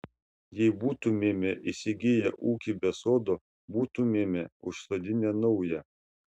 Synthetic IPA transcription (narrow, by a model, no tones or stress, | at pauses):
jɛɪbuːt̪umʲeːmʲeʔisʲɪɡʲɪjɛʔuːkʲibʲɛsoːd̪oː | buːt̪umʲeːmʲeʊʃsoːd̪ʲɪnʲenɔʊjɛ